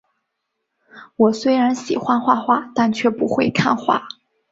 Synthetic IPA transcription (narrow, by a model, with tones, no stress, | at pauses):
wɔ˨˩swe˥ɪɻa˧˥nɕi˨˩xwa˥nxwa˥˧xwa˥˩t̪a˥˧nt͡ɕʰɥɛ˥˩pu˧˥xwe˥˧ɪkʰa˥˧nxwa̰˥˩